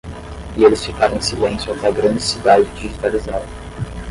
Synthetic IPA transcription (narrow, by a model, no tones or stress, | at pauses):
ielɪsfikaɾõĩsilẽnsjuakaɡɾɐ̃nd͡ʒɪsid̪ad͡ʒɪd͡ʒiʒit̪alizad